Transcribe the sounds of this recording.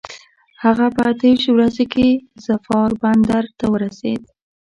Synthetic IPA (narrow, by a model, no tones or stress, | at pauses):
haɣapəat̪awiʃwɾazekezafɑɾband̪aɾt̪awəɾasḛd̪